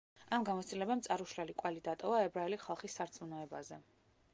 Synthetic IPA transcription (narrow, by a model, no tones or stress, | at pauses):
amɡamɔt̪st̪ilɛbamt̪sʼaɾuʃlɛlikʼwɛlid̪at̪ʼɔvaɛbɾaɛlisχalˠχisːaɾt̪sʼmunɔɛbazɛ